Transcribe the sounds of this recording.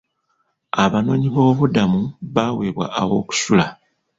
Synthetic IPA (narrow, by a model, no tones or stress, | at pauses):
aβano̞ɲiβo̞ːβudamuβaweːβwa̰ʔːwo̞ːku̥sula